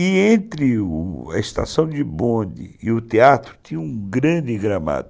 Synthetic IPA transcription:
ɪẽnt̪ɾɪʊɐ̰ɪst̪a̰sɐ̃w̃d͡ʒɪbõd̪ɪ̰ɪʊt̪eat̪ɾʊt̪ĩɲɐũɡɾɐ̃d͡ʒɪɡɾama̰d̪ʊ

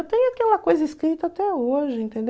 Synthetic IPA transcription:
t̪ẽjʊakɛlɐkojzɐiskɾit̪ɐat̪ɛoʒɪẽnt̪ẽnd̪

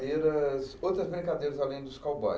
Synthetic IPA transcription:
d̪eɾɐsowt̪ɾɐzbɾʲĩŋkad̪ejɾɐzalẽj̃d̪ʊskawbɔ̰

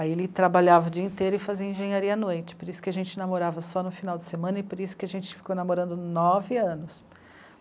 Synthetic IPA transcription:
aielɪt̪ɾabaʎavɐʊd͡ʒiɐĩt̪ejɾʊɪfaziɐẽʒẽɲaɾiɐanojt͡ʃɪ̥poɾisʊ̥kɪaʒẽnt͡ʃɪnamoɾavɐsɔnʊfinawd͡ʒɪ̥semɐ̃nɐɪpoɾisʊ̥kɪaʒẽnt͡ʃɪ̥fi̥konamoɾɐ̃nd̪ʊnɔvɪɐ̃nʊs

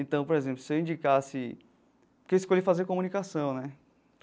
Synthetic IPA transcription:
ẽt̪ɐ̃w̃poɾezẽmplʊsewĩɲd͡ʒikasɪ | keiskoʎifazeɾkõmũnikasɐ̃w̃nɛ

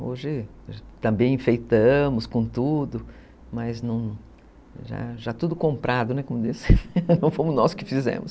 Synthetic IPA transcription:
oʒɪ | t̪ɐ̃mbẽj̃ĩfejt̪ɐ̃mʊskõt̪ud̪ʊ | mɐznɐ̃w̃ | ʒa̰ʒat̪ud̪ʊkõmpɾad̪ʊnɛkõmʊd̪isɪ̥nɐ̃w̃fõmʊznɔskɪfizḛ̃mʊs

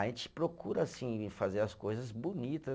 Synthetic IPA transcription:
ẽnt͡ʃɪ̥pɾokuɾɐːsĩfazeɾɐskojzɐzbunit̪ɐ

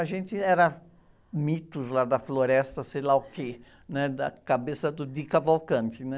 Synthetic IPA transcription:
ɐʒẽnt͡ʃ̪ɪɛɾɐ | mit̪ʊzlad̪ɐfloɾɛst̪ɐsejlaʊke | nɛd̪ɐ̰kabesɐd̪ʊd̪ikavawkɐ̃nt͡ʃ̪ɪnɛ

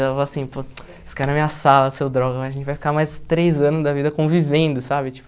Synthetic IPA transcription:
ɛɛfaloasĩpo | fkaɾnɐmĩɲɐsalɐsewd̪ɾɔɡɐ̃jɐʒẽnt͡ʃɪvajfi̥kamajst̪ɾejzɐ̃nʊzd̪ɐvid̪ɐkõvivẽnd̪ʊsabɪt͡ʃi̥pʊ

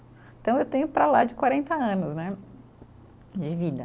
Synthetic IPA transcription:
t̪ɐ̃w̃ewt̪ẽɲʊpɾalad͡ʒɪkwaɾẽnt̪ɐɐ̃nʊznɛ | d͡ʒɪvid̪ɐ

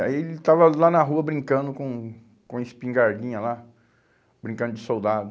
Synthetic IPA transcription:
a̰ielɪt̪avɐlanɐɦuɐbɾĩŋkɐ̃nd̪ʊkõ | kõeɪspĩŋɡaɾd͡ʒĩɲɐla | b̥ɾĩŋkɐ̃nd̪ʊd͡ʒɪsowd̪ad̪ʊ

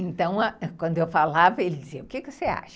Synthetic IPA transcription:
ẽnt̪ɐ̃w̃ɐɛkwɐ̃nd̪ʊewfalavɐelɪd͡ʒiziɐʊkekɪvosea̰ʃɐ̥

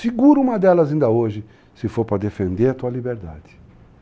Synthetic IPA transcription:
fiɡuɾũmɐd̪ɛlɐzĩnd̪ɐoʒɪ | sɪfoɾpɾɐd̪efẽnd̪eɾɐt̪uɐlibeɾd̪a̰d͡ʒ̪ɪ̥

